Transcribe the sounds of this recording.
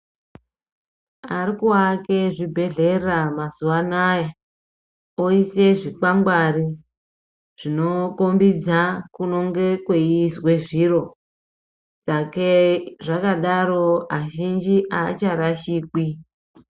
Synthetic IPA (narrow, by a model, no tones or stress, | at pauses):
arikuake̞ʐibʱe̞ɮe̞ramazuwanaja | oise̞ʐik͡pamɡwari | ʐ̥ino̞ko̞mbid͡zakuno̞ŋɡe̞kweiswe̞ʐiːro̞ | sakeʐakaɗaɾo̞aʒind͡ʒiʔaːt͡ʃaɾaʃiːki